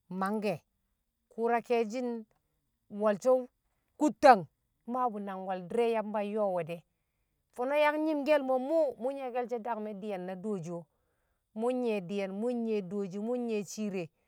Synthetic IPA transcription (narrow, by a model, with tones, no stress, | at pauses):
ma˨˦ŋɡe˨ | ku˨ɾa˦ke˦d͡ʒi˦n | wa˨lt͡ʃo˦ | ku˦tːa˨ŋ | ma˦bu˨na˨ŋwa˨ldi˦ɾe˦ja˦m˦ba˦jo˦˨we˨de˨ | fo˨no˦ja˦kɲi˦mɡe˦lmo˨mu˦mu˦ɲe˨ɡe˦lt͡ʃe˦da˦kme˦di˨ja˨nːa˨do˦˨d͡ʒo˨ | mu˦ɲe˨di˨ja˨nmu˦ɲe˨do˨d͡ʒo˨mu˦ɲe˨t͡ʃi˦ɾe˨